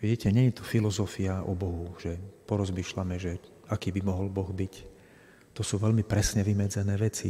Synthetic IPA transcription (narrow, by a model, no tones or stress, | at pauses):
ʋiɟiːcɛɲɛɲɛt̪ɔfilɔzɔfiaʔɔ̰bɔɦuʒ̥ɛpɔɾɔzmiːʃlamɛʒɛ | akiːbimɔɦɔlbɔɣbic | t̪ɔsuːʋɛlmipɾɛsɲɛʋimɛd͡zɛnɛːʋɛt͡sḭ